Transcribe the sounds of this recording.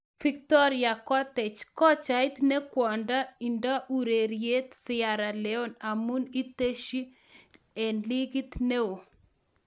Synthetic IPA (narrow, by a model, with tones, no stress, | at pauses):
fi˨k̚tɔ˦ɾɪa˨kɔ˦tɛ˨t͡ʃkɔ˦t͡ʃa˨ɪ˦t̪ne˦kwɔ˨nda˦i˨ndɔ˦ʔu˨ɾe˨ɾje˦t̪sɪa˨ɾa˨lɛ˦ɔ˦na˨mu˦ni˦te˦ʃi˦ | e˨nli˦ɡi˦t̪ne˦o˨